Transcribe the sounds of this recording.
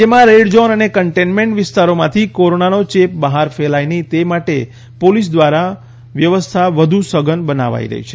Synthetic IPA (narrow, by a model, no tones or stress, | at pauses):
d͡ʒemãɾeɽd͡ʒonənekəɳʈenmẽɳʈʋɪst̪aɾomãt̪ʰikoɾonanot͡ʃep̚bəɦaɾfelajnit̪emaʈe | polis̬d̪ʋaɾa | ʋjəʋəst̪ʰaʋəd̪ʱũsəɡənbəna̰ʋa̰ḭɾə̰ɦḭt͡ʃʰe̥